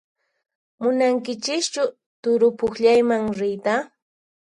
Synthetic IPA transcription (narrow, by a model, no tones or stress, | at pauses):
mʊnaŋkɪt͡ʃɪkt͡ʃʊ | t̪ʊɾʊpʊχʎajmaŋɾɪjt̪a